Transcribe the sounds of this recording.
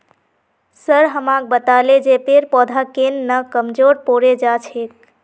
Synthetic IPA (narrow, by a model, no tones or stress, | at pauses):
səɾɦəmak̚bət̪aled͡ʒepeɾpɔd̪ʱakenːəkəmd͡ʒoɾpoɾed͡ʒat͡ʃʰek̚